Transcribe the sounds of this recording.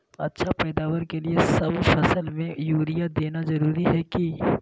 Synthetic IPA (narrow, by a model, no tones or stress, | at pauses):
ɐ̰tːʃʰapɛːd̪aːwəɾkeliesɐbfɐsəlmẽjuːɾijad̪eːnazɐɾuːɾiɦɛki